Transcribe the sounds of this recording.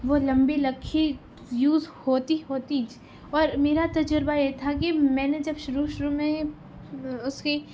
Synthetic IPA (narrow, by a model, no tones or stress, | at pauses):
ʋolɐ̃mbelɐkʰːi | juːzhoːt̪iɦoːt̪id͡ʒ | ɔːɾmeːɾat̪ɐd͡ʒəɾbajet̪ʰakimɛ̃ːned͡ʒɐbʃʊɾuʃʊɾumẽ | ʊske